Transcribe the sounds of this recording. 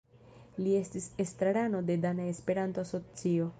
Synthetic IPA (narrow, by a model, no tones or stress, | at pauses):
lie̞stise̞stɾaɾano̞de̞danaespe̞ɾanto̞aso̞t͡sio̞